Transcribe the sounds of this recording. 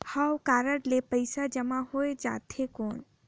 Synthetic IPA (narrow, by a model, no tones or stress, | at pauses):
hawkaːɾəɽlepəɪsad͡ʒəmaɦoed͡ʒa̰t̪ʰekoːn